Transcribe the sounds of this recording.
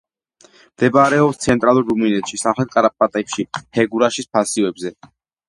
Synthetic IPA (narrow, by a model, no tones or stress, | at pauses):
md̪̥ɛbaɾɛɔpst̪sʰɛnt̪ʼɾalˠuɾːuminɛt̪ʃisamχɛt̪̚kʼaɾap̚ʼpʼat̪ʼɛpʃihɛɡuɾaʃispʰasivɛbzɛ